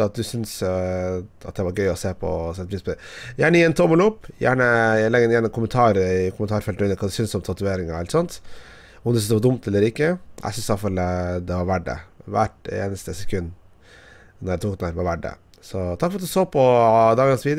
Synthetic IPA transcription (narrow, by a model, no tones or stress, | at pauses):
ɑt̪̚d̪ʉsʏns | ɑ̰t̪̚d̪ɛʋɑɾɡœʏɔseːpʰɔ̰sɛt̪ːəpɾiːspɔd̪ɛjæːɳəjiɛnt̪ʰoməluːpjæ̰ːɳəjælɛɡɛnjæːɳənkʊmənt̪ʰɑːɾkʰʊmənt̪ɑːɾfɛlʉnːəɾkʰɑːd̪ʉsʏnsɔmt̪ʰɑt̪ʉeːɾɪŋɛlt̪sɔnt̪ | ʊɔmd̪ʉsʏsd̪ɛpɑd̪ʊmt̪ɛlːəɾɪkːəʔæ̰ɪsʏnsd̪ɑlfɑld̪ɛʋɑɾʋæɖə̰ʋæʈḛːnəst̪əsɛkʰʉnː | nɔɾjæt̪uːkd̪ənæːɾʋɑɾʋæɖːə̰ | sɔt̪ʰɑkfɔɾɑt̪d̪ʉsoːpʰɔd̪ɑːɡ̪ɑnsʋiːd̪